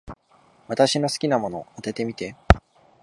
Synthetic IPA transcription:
βat̪aɕino̞sɨ̥kʲinamo̞no̞̰at̪e̞t̪e̞mʲit̪e̞

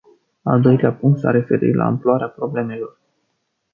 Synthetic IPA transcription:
ald̪o̞jleapuŋkt̪sa̰ɾe̞fe̞ɾḭt̪la̰ɨ̰mploaɾeapɾo̞ble̞me̞lo̞r

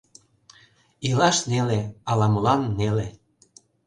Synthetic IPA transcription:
ilɑʃneleɑlɑməlɑnːele

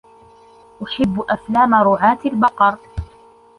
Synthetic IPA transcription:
ʔʊħɪbːʊʔaflaːmaɾʊʕaːt̪albɑqɑɾˤ

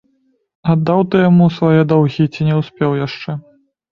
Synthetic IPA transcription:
ɐd̪ːawt̪ɨjamusvajɛd̪ɔwɣʲit͡sʲinʲɛwsʲpʲɛwjaʂt͡ʂɛ

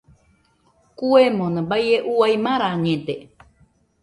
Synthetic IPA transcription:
kuemõnãbajeʔuaimãɾaɲẽt̪e

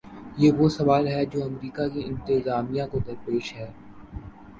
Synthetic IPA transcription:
jeːʋosɐʋaːlɦɛd͡ʒoːɐmɾiːkakiɪ̃nt̪ɪzaːmijãkod̪ɐɾpeːʃɦɛː

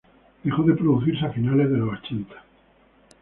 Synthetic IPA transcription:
d̪exoðe̞pɾoðuθiɾseafinale̞zðeloβat͡ʃent̪ʰḁ

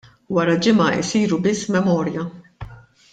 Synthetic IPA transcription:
wɐɾɐd͡ʒɪmɐɪ̰siːɾubɪsːmɛmɔːɾjɐ

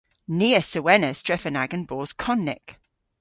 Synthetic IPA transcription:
niːəsəwɛnəstɹ̥ɛfənaɡə̃nbɔːz̥kʰɒnːɪ̰k

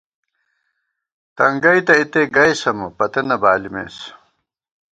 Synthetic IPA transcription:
t̪ɐŋɡɐjt̪ɐit̪eɡɐjsɐmɐpɐt̪ɐnɐbaːlimḛːs

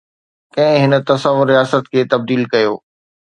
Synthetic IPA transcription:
kɐ̃ɦɪ̃ɦɪnə̆t̪ɐsəʋʊɾːijaːsət̪kʰeːt̪ɐb̚d̪iːlkɐjoː

